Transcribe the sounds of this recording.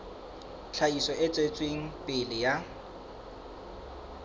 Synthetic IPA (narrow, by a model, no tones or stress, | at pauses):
t͡ɬʰaisɔɪt͡sʼet͡sʼweŋ̩pʼɪlɪja